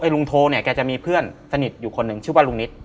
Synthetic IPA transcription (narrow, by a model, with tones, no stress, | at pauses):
ʔɤː˧jlu˧ŋt̪ʰoː˧ni˥˩əkɛː˧˩t͡ɕa˨˩miː˧pʰɯ˥˩ənsa˧ni˨˩t̪̚juː˨˩kʰo˧nːɯ˧˩ŋt͡ɕʰɯː˥˩waː˥˩lu˧ŋni˦˥t̪̚